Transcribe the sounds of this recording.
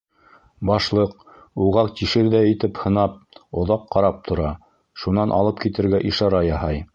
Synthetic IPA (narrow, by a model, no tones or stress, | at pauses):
bɑʃlˠɤq | uʁɑqt̪iʃɘɾðæɘ̆t̪ɘphɤ̆nɑp̚ŏðɑqːɑɾɑp̚t̪ʰŏɾɑ | ʃunɑnʔɑ̰lˠɤpkit̪ɘ̆ɾɡæʔiʃɑɾɑjɑhɑj